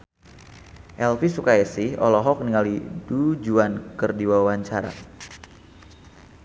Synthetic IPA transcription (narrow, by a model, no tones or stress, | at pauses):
ʔɛlfisukaɛsihɔ̰lɔɦɔk̚niŋalidud͡ʒuankərdiwawaɲt͡ʃaɾa̰